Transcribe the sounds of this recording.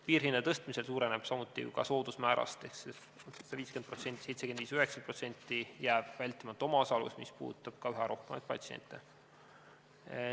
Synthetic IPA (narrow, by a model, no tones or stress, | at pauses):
piːrɦinːɑt̪ɤst̪mise̞lsuːɾene̞b̥sɑmut̪ːˑḭkɑ̰so̞ːd̪̥usmæːɾɑ̰st̪ekse | ed̥̪ɑviːske̞npro̞t̪se̞nt̪i̥se̞jt̪sekend̪viːsyhe̞ksɑpro̞t̪se̞nʲt̪ˑːijæːb̥vælʲt̪ˑimɑt̪ːˑo̞mɑosɑlṵsmḭspṵːd̪t̪ːˑɑb̥̚kɑyɦɛɾʔo̞hkemɑ̰jt̪̚pɑ̰t̪siḛnt̪ːˑḛ